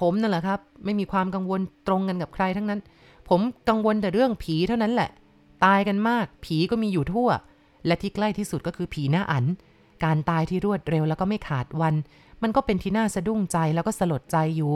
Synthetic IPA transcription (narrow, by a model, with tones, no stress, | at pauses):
pʰo˩˦mna˧˥˩lɛ˨˩kʰa˦˥p̚ma˥˩jmiː˧kʰwaː˧mka˧ŋwo˧nt̪ɾo˧ŋka˧nka˨˩p̚kʰɾa˧jt̪ʰa˦˥ŋna˦˥n | pʰo˩˦mka˧ŋwo˧nt̪ɛː˨˩ɾɯ˥˩əŋpʰiː˩˦t̪ʰa˥˩wna˦˥nlɛ˨˩ʔ | t̪aː˧jka˧nmaː˥˩k̚pʰiː˩˦kɔː˥˩miː˧juː˨˩t̪ʰu˥˩ɐ | lɛ˦˥wt̪ʰiː˥˩kla˥˩jt̪ʰiː˥˩su˨˩t̪̚kɔː˥˩kʰɯː˧pʰiː˩˦naː˥˩ʔa˩˦n | kaː˧nt̪aː˧jt̪ʰiː˥˩ɾu˥˩ət̪̚ɾe˧wlɛː˦˥wkɔ˥˩ma˥˩jkʰaː˨˩t̪̚wa˧n | ma˧nkɔː˥˩pe˧nt̪ʰiː˥˩naː˥˩sa˧du˥˩ŋt͡ɕa˧jlɛː˦˥wkɔː˥˩sa˧lo˨˩t̪̚t͡ɕa˧jːuː˨˩